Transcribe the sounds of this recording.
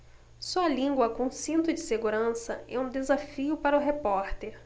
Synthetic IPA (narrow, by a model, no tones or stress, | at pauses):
suɐlĩɡwɐkõsĩnt̪ʊd͡ʒɪseɡuɾɐ̃sɐɛũd̪ezafiʊpaɾʊɦepɔɾt̪eɾ